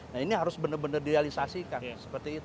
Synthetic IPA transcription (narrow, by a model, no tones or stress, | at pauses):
nainiɦaɾʊsbənərbənərdiɾealisasikansə̥pərt̪iːt̪u